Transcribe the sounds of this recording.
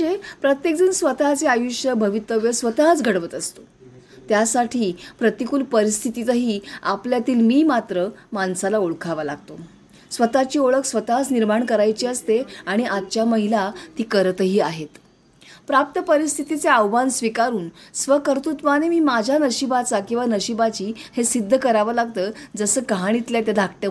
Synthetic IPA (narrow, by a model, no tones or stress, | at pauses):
epɾət̪jek̚d͡zuːnsʋət̪at͡seajuɕjəbʱəʋit̪ːəʋjəsʋət̪at͡sɡʱəɽʋət̪əst̪o̥ | t̪jasaʈʰiːpɾət̪ikuːlpəɾist̪ʰit̪it̪əɦiːapljat̪iːlmiːmat̪ɾəmansalaoɭkʰaʋalaɡt̪o | sʋət̪at͡ɕiːoɭəksʋət̪at͡sniɾmaɳkəɾajt͡ɕiəst̪eaɽ̃iʔatt͡ɕjaməɦilat̪iːkəɾt̪əɦiːaɦet̪ | pɾap̚t̪əpəɾist̪ʰit̪it͡seəʋbansʋikaɾuːnsʋəkəɾt̪ut̪ʋanemiːmad͡ʑʱanəɕibat͡sakĩw̃ʋanəɕibat͡ɕiːhesid̪ʱːəkəɾaʋalaɡ̚t̪əːd͡zəsəːɡɦaɽ̃it̪ljat̪jad̪ʱak̚ʈje